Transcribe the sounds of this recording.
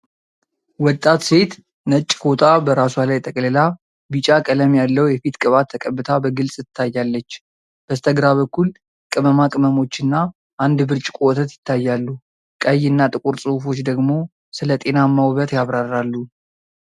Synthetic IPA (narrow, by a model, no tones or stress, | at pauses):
wɔt̪ʼːat̪se̞t̪ | nət͡ʃʼːfo̞t̪ʰabəɾaswalajt̪ʼəkʼləla | bɨt͡ʃʼakʼələmjalːəwjɛfit̪kʼɨβat̪ʰːəkʼəbːɨt̪ʰabəɡɨlsʼɪt̪ʰːajːalːət͡ʃː | b̥əst̪ʰəɡɾaβəkːul | kʼɨməmakʼɨməmo̞t͡ʃːɨnːa | ʔand̪bɨɾt͡ʃʼɪ̥kʼowɔt̪ʰət̪jɪt̪ʰːajːalːu | kʼəjɨnːat̪ʼɨkʼuɾsʼuhfo̞t͡ʃːd̪əɡmo̞ | sɨlət̪ʼe̞namːawβət̪jaβɾarːalːu